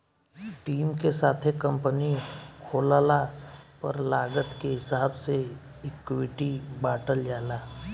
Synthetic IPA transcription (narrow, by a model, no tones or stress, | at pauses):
ʈiːmkesaːt̪ʰekə̃mpənikʰoːlaːlapɐɾlaːɡət̪keɦɪsaːbse | ɪkːwɪʈibaːʈəld͡ʒaːlaː